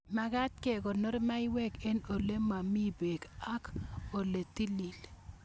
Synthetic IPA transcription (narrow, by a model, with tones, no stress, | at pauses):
ma˨ɡa˦t̪̚ke˨ko˨no˦ɾma˦i˦wɛ˦ke˦no˨le˦ma˨mi˦be˨ka˦ko˨le˨t̪i˦li˨l